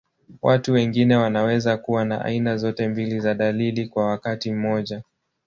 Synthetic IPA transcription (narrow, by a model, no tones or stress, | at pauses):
watuwɛŋɡinɛwanawɛzakuwana̰ʔa̰inazɔtɛmbilizaɗalilikwawakatim̩mɔʄa